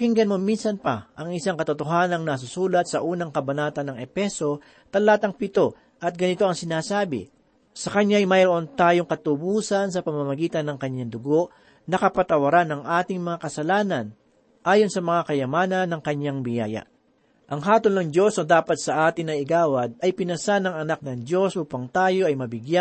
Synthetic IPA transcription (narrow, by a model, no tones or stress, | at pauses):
kɪŋɡɐnmominsɐnpɐʔɐŋʔɪsaŋkɐt̪ʊt̪oɦaːnɐŋnɐs̬ʊsuːlɐt̪sɐʔuːnɐŋkɐbɐnaːt̪ɐnːɐŋɛpɛso̞ | t̪ɐlaːt̪ɐŋpɪt̪o̞ | ʔɐt̪̚ɡɐnɪt̪o̞ɐŋsɪnaːsaːbɪ̰ | sɐkɐɲajmɐjɾoʔont̪aːjoŋkɐt̪ʊbuːsɐnsɐpɐmɐmɐɡiːt̪ɐnːɐŋkɐɲaŋd̪ʊɡo̞ʔ | nɐkɐpɐt̪ɐwɐɾanːɐŋʔaːt̪ɪŋmɐŋakɐsɐlaːnɐn | ʔaːjo̞nsɐmɐŋakɐjɐmaːnɐnːɐŋkɐɲːaŋbɪja̰ːjɐ̰ | ʔɐŋɦaːt̪olnɐŋd̪o̞sɐd̪aːpɐt̪̚sɐʔaːt̪ɪnɐʔɪɡaːwɐd̪̚ɐjpɪnɐsanɐŋɐnak̚nɐŋd̪o̞sʔuːpɐŋt̪aːjo̞ʔɐjmɐbɪɡja